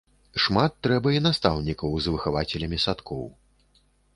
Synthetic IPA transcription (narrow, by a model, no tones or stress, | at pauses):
ʂmat̪ːɾɛbɐinast̪awnʲikɐwzvɨxavat͡sʲɛlʲɐmʲisat̪kʰɔ̰w